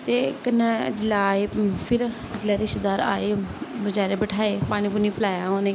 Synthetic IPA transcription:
t̪eːkənːad͡ʒɪlaːeːpʰɪɾ | d͡ʒɪlaːɾeʃd̪aːɾa̰ːeːbəd͡ʒaːɾeːbəʈʰaːeːpaːɽ̃iːpuniːpəlaːjãːõːneː

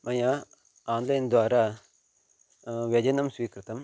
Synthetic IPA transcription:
mɐjaː | aːnd̪ɐjɐnd̪ʋaːɾa | ʋjɛd͡ʒɐnɐmsʋiːkɾɨt̪ɐm

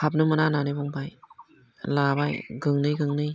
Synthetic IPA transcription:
hap̚nɯmɯnananɯjbɔŋbaj | labajɡɯŋnɯjɡɯŋnɯj

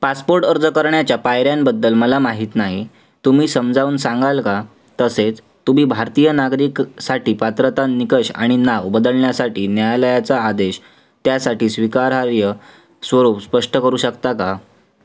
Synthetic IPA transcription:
paspoɾʈəɾd͡zəkəɾɳjat͡ɕjapajɾjambəd̪ːəlməlamaɦiːt̪naɦi | t̪umiːsəmd͡zʱauːnsãŋɡalka | t̪əset͡s | t̪umiːbʱaɾt̪ijənaɡɾiksaʈiːpat̪ɾət̪anikəɕa̰ɽ̃inaʋbəd̪əlɳjasaʈiːnjajləjat͡saːd̪eɕ | t̪jasaʈiːsʋikaɾɦaɾjə | sʋəɾuːpspəʂʈəkəɾuːɕəkt̪aka

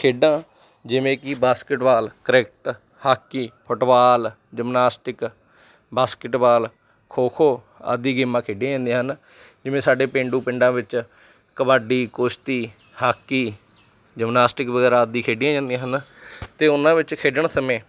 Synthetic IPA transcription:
kʰeːɖãː | d͡ʒɪʋẽːkɪbaːskɪʈbaːlkəɾɛkʈ | haːkːiːpʰʊʈbaːl | d͡ʒəmnaːsʈɪk | baːskɪʈbaːl | kʰoːkʰoː | a̰d̪iːɡɪmːãːkʰeːɖijãːd͡ʒãːnd̪ẽːɦən | d͡ʒɪʋẽːsaːɖeːpẽːɳɖuːpɪɳɖãːʋɪt͡ʃ | kəbaːɖiːkʊʃt̪iː | haːkːiː | d͡ʒəmnaːsʈɪkbəɡɛːɾãːəd̪ːiːkʰeːɖɪjãːd͡ʒãːnd̪iãːɦənt̪eːʊnãːʋɪt͡ʃkʰeːɖəɳsəmẽː

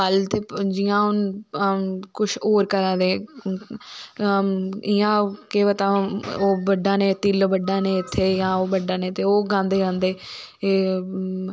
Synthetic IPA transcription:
əlt̪eːd͡ʒɪjãːʊn | kʊʃoːɾkəɾãːd̪eː | ɪjãːkeːʋət̪ãːoːbəɖːaːnẽːt̪iːlːbəɖːãːnẽːɪt̪ʰːeːjãːoːbəɖaːnẽːt̪eːoːɡãːnd̪eːɾãːnd̪eː

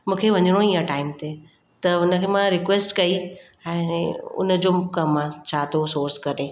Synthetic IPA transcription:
mũːkʰeʋɐɲəɽ̃õiə̃ʈaːɪmt̪ʰe | t̪ɐʊnə̆kʰemãɾɪkʋeːsʈkɐi | ɛ̃ːʊ̰nə̆d͡ʑoːmkɐmːãt͡ɕʰaːt̪ʰosoːɾskɐɾẽː

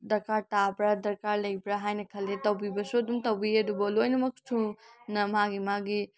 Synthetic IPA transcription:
dɐɾkaɾtabɾɐdɐɾkaɾlɐjbɾɐɦajnɐkʰɐlːetɐwbibɐsuɐdumtɐwbiɐdubɐlojnɐmɐk̚sʰunɐmaɡimaɡi

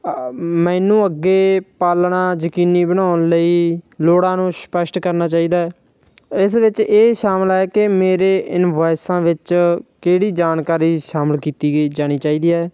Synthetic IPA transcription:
mɛ̃ːnũːəɡːeːpaːlnãːd͡ʒəkiːniːbəñaːʊnləiːloːɽãːnũːspəʃʈkəɾnaːt͡ʃaːiːd̪aːɛː | ɪsʋɪt͡ʃeːʃaːməlaɛːkɪmeːɾeːʔɪnʋaːɪsãːʋɪt͡ʃkeːɽiːd͡ʒaːnkaːɾiːʃaːməlkiːt̪iːd͡ʒaːɽ̃iːt͡ʃaːiːd̪iːɛː

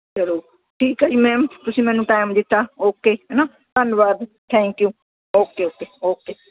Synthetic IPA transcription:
səɾoː | ʈʰiːkaːd͡ʒiːmɛ̃ːmt̪ʊsĩːmɛ̃ːnũːʈaːɪmd̪ɪt̪ːaːoːkeːɦɛːnaː | t̪ənʋaːd̪t̪ʰɛ̃ːŋkjuː | oːkeːoːkeːoːkeː

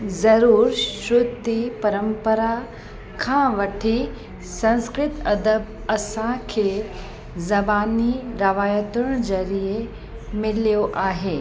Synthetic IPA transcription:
zɐɾuːɾʃɾʊd̪ipɐɾəmpəɾa | kʰãʋɐʈʰi | sɐ̃nskɾɪt̪ɐd̪əb | ɐsãkʰe | zɐbaːniɾɐʋaːjət̪ʊɽ̃d͡ʑɐɾije | mɪlijoʔaːɦeː

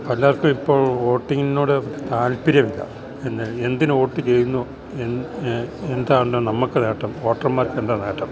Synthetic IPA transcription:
pɐlːaːɐrkːumipːo̞ːɭo̞ːʈːiŋːinoːɽɨt̪aːlpiɾjɐmilːa̰ | enːile̞nd̪inɨo̞ːʈːɨt͡ɕe̞jnːu | en | end̪aːʋuɳɖoːnɐmːɐkːɨneːʈːɐmo̞ːʈːrɐmaːɾenrɐneːʈːɐm

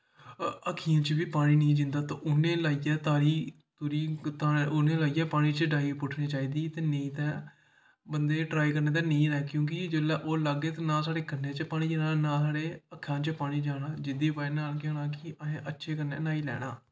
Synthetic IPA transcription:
əkʰijãːt͡ʃəbiːpaːɽ̃iːneĩːd͡ʒɪnd̪aːt̪ãːʔʊnẽːlaːijɛːt̪aːɾiː | t̪ʊɾiːt̪aːʊnẽːlaːiːɛːpaːɽ̃iːt͡ʃəɖaːiːpʊʈʰniːt͡ʃaːiːd̪iːt̪eːnẽĩːt̪ɛ̃ː | bənd̪eːʈɾaːikəɾneːt̪ɛːnəĩːɾɛːkjõːk̬id͡ʒelɛːʔoːləɡeːt̪eːnãːsaːɽeːkənːeːt͡ʃəpaːɽ̃iːd͡ʒaːnaːnãːsaːɽeːəkʰːãːt͡ʃəpaːɽ̃iːd͡ʒaːɽãːd͡ʒɪd̪iːpaːẽːnaːlkjaːnãːkɪəẽːʔətːʃʰeːkəɾnḛːnaːiːlɛ̰ːɽ̃a̰ː

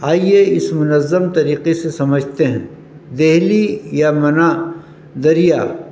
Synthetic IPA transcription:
aːieɪsmʊnəzːəmt̪ɐɾiːqesesɐməd͡ʒʱt̪eɦɛ̰̃ | d̪eɦlijamɐna | d̪ɐɾijaː

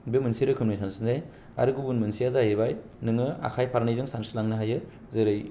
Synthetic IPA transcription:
bemɯnsiɾɯkʰɯmnɯjsansɯndaj | a̰ɾɯɡubunmɯnsijazaɦeβaj | nɯŋɯa̰kʰajpʰaɾnajzɯŋsansɯlaŋnɯɦajɯ | zɯɾɯj

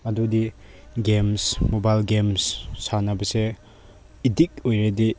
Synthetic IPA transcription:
ɐdudi | ɡemsmobajlɡemssanɐbɐse | idik̚ojɾedi

